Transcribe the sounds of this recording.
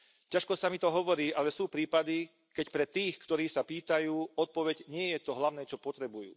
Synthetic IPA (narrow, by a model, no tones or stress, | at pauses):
caʃkɔsamit̪ɔɦɔʋɔɾiːʔalɛsuːpɾiːpad̪i | kɛcpɾɛt̪iːxkt̪ɔɾiːsapiːt̪ajuːɔt̪̚pɔʋɛɟɲɪɛjɛt̪ɔɦlaʊnɛːt͡ʃɔpɔt̪ɾɛbujṵː